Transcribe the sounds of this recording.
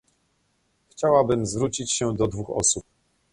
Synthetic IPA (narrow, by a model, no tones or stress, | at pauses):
xt͡ɕawabɘmzvɾut͡ɕit͡ɕɕɛd̪ɔd̪vuxɔ̰sup̚